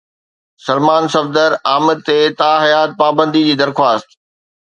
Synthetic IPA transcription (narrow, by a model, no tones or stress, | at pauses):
sɐlmaːnsɐfd̪əɾaːmɪd̪̚t̪eːt̪aːɦɐjaːt̪̚paːbə̃nd̪id͡ʑiːd̪ɐɾxwaːst̪